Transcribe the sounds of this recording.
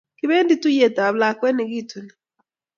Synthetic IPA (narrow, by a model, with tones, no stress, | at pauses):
kɪ˦βe˦ndi˦tu˦je˨ta˨βla˨kwɛ˦ni˨ɣi˦tu˨ni˨